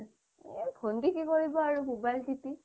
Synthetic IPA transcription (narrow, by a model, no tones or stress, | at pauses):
ebʰʱondikikoɹibɔaɹumobajlsiti